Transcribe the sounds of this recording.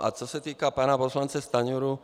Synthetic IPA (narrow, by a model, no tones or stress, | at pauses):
ʔa̰t͡sɔsat̪iːkapaːnapɔslant͡sɛst̪aɲuɾu